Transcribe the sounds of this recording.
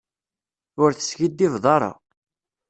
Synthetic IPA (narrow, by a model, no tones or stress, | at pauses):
ʊɾθə̥sçid̪ːivðˤɑɾˤɑ̰